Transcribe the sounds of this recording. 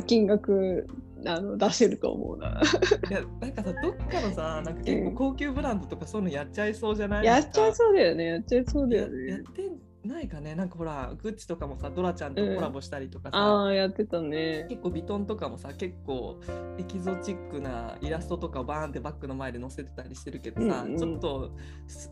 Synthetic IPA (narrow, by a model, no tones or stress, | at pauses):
kʲĩŋɡakɯ̟ | ano̞d̪aɕeɾɯ̟t̪o̰o̰mo̰ɯ̰na̰janãŋkasad̪o̞kːano̞sanãŋkḁkẽ̞ːo̞ko̞ːkʲɨːbɯ̟ɾãnd̪o̞t̪o̞kasonõjat͡ɕːaiso̞ːʑanaijat͡ɕːaiso̞ːd̪ajo̞ne̞jat͡ɕaiso̞ːd̪ajone̞jjat̪ːẽn | naikane̞nãŋkaho̞ɾaɡɯ̟t͡ɕi̥t̪o̞kamo̞sad̪o̞ɾat͡ɕãnd̪ẽko̞ɾabo̞ɕi̥t̪aɾʲit̪o̞kasaajat̪ːe̞t̪aneke̞kːo̞ːbʲit̪õ̞nt̪o̞kamo̞sake̞kːo̞̰ːe̞kʲizo̞t͡ɕikːɯ̟na̰iɾasɨ̥t̪o̞t̪o̞kaobãnd̪e̞bakːɯ̟no̞maed̪e̞no̞se̞t̪e̞̥t̪aɾʲiɕi̥t̪e̞ɾɯ̟ke̞d̪o̞sa̰t͡ɕo̞t̪ːo̞ | s